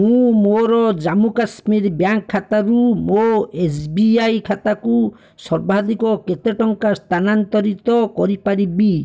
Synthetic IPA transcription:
mũmoɾɔd͡ʒamukasmiɾbjaŋkʰːat̪aɾumoesbiajkʰat̪aku | sɔɾbʱad̪ikɔket̪eʈɔŋkast̪ʰanant̪ɔɾit̪ɔkɔɾipaɾibi

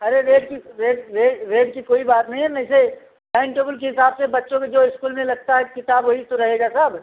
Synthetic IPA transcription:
ɐɾeɾeːɖkiɾeːɖɾeːɖɾeːɖkikoːibaːt̪nɐɦĩɦɛmɛ̃ːse | bɛ̃ːɳʈeːbəlkeɦɪsaːbsebɐtːʃõked͡ʒoːɪskuːlmẽlɐɡ̚t̪aɦɛkɪt̪aːbɦoit̪oɾɐɦeːɡasɐb

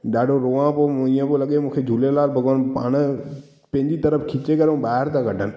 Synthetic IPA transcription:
ɗaːɖoɾoːãːpoɪjãːpoləɠemʊ̃kʰed͡ʒʱuːlelaːlbʱəɡʋaːnpaːn | pẽːɲd͡ʒiːt̪əɾəpʰkʰɪt͡ʃekəɾõːbaːɾt̪ãkəʈʰən

